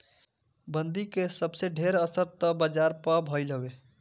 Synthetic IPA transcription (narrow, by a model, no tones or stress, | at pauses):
bənd̪ikesəbseɖʱeɾəsəɾt̪əbəd͡ʒaɾpəbʱɔjləwe